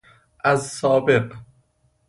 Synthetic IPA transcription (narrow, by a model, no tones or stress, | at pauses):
ʔæzsɒːbeq